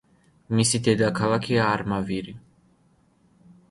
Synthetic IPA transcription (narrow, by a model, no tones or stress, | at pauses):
misit̪ʰɛd̪akʰalakʰiaːɾmaviɾi